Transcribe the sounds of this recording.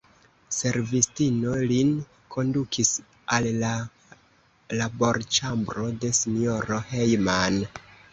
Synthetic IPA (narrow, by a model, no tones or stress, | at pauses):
se̞ɾvistino̞lin | kʰo̞ndukʰis | alla | labo̞ɾt͡ʃambɾo̞de̞sino̞ɾo̞hejman